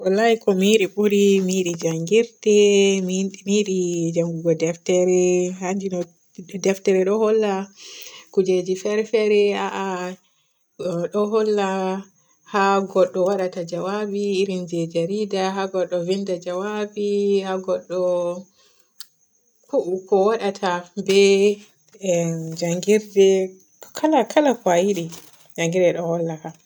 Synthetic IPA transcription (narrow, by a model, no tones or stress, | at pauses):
walajikɔmiɗiɓuɾimiɗid͡ʒaŋɡiɾtɛmmiɗid͡ʒaŋɡuɡɔdɛftɛɾɛhand͡ʒinɔ | dɛftɛɾɛɗɔhɔlːa | kud͡ʒed͡ʒifɛɾfɛɾɛaʔa | ɗɔɦɔlːa | haɡɔɗːɔwaɗatad͡ʒawabiːɾind͡ʒɛd͡ʒaɾidaɦaɡɔɗːɔvindad͡ʒawabihaɡɔɗːɔ | kuʔukɔwaɗatʰabɛ | d͡ʒaŋɡiɾdɛ | kʰalakʰalakwajiɗi | d͡ʒaŋɡiɾdɛɗɔhɔlːaha